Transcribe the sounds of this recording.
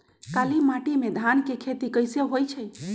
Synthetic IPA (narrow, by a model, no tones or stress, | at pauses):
kalimaʈimed̪ʱankekʰet̪ikəjseɦojt͡ʃʰəj